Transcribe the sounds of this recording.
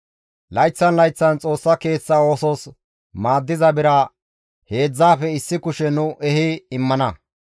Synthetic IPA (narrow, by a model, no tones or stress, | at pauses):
lɐjt͡sːɐnlɐjt͡sːɐnt͡sʼo̞ːsːɐke̞ːt͡sːao̞ːsɔs | maːd̪ːɪzɐbɪɾɐ | he̞ːd͡zːaːfɛɪsːɪkʊʃɛnʊʔɛɦɪɪmːɐnɐ